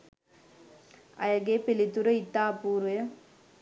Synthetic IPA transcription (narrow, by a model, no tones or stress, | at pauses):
ɐ̰jəɡepelit̪uɾəit̪ːaːpuːɾujə